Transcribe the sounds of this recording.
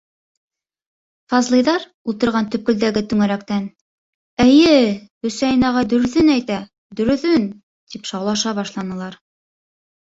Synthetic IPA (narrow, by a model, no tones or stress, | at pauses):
fɑzlˠɤ̆jðɑɾ | ulˠt̪ɤ̆ɾʁɑnt̪ɵ̆p̚kɵ̆ld̪æɡɘt̪ʉŋæɾækt̪æn | ɘjɘɵ̆sæjinɑʁɑd̪ɵ̆ɾɵ̆θɵnæjt̪æ | d̪ɵ̆ɾɵ̆θɵn | t̪ipʃɑwlˠɑʃɑβɑʃlˠɑnɤ̆lˠɑɾ